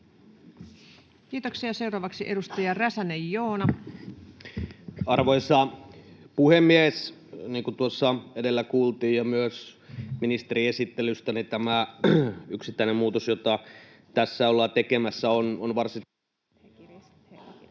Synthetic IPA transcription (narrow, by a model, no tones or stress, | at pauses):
kiːt̪oksiɑse̞uɾɑːʋɑksiʔe̞dust̪ɑjɑræsænejːoːnɑ | ɑrʋoisɑ | puhemːies | niːŋkut̪uosːɑedelːækuːlt̪iːjjɑmyøsminist̪eɾiesit̪ːelyst̪ænit̪æmæ | yksit̪ːæˑinemmuːt̪osjot̪ɑ | t̪æsːæolːɑːt̪ekemæsːæononʋɑrsi